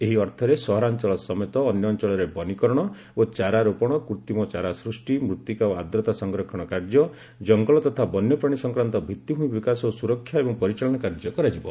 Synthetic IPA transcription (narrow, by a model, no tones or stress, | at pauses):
eɦiɔɾt̪ʰɔɾesɔɦɾant͡ʃɔɭɔsɔmet̪ɔːnjɔːnt͡ʃɔɭɔɾebɔnikɔɾɔɽ̃ɔ | ot͡ʃaɾaɾopɔɽ̃ɔkuɾt̪imɔt͡ʃaɾasɾusʈimɾut̪ːikaoad̪ɾɔt̪asɔŋɡɾɔkʰɔɽ̃ɔkaɾd͡ʒɔ | d͡ʒɔŋɡɔlɔt̪ɔt̪ʰabɔnjɔpɾɔɽ̃isɔŋkɾant̪ɔbʱit̪ːiɦũĩbikasɔosuɾɔkʰːjaebɔŋpɔɾit͡ʃaɭɔɽ̃ɔkaɾd͡ʒɔkɔɾad͡ʒibɔ